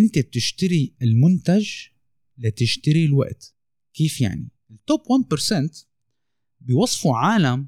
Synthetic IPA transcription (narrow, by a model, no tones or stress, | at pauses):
ʔɪnt̪eb̚t̪ɪʃt̪aɾiɪlmʊnt̪ad͡ʒ | lat̪ɪʃt̪aɾilwa̰ʔt̪ | keːfja̰ʕni | ɪlt̪ːopːwanpəɾsɛnt̪ | bɪjwɑsˤfuʕaːlam